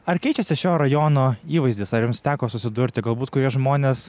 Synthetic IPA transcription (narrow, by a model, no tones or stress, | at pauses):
ɐrkʲɛɪt͡ʃʲɛsʲɪʃʲoːɾɐjoːnoːiːʋɐɪzʲd̪ʲɪːsɐɾjʊmst̪ʲæːkoːsʊsʲɪd̪ʊɾʲt̪ʲɪɡɐlˠbuːt̪kʊɾʲiɛʒmoːnʲes